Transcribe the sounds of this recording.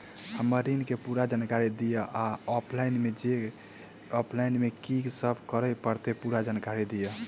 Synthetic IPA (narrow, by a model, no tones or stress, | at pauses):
həməɾinkepuɾad͡ʒankaɾid̪ijəʔaɔpʰlainmed͡ʒe | ɔpʰlainmekiɡsəbʱkəɾəpəɾt̪epuɾad͡ʒankaɾid̪ijə